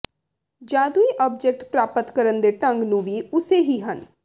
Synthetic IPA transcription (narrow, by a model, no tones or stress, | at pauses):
d͡ʒaːd̪uiːʔɔːb̚d͡ʒɛk̚ʈpɾaːpət̪kəɾənd̪eːʈə̃ŋɡnũːʋiːʊseɦiːɦən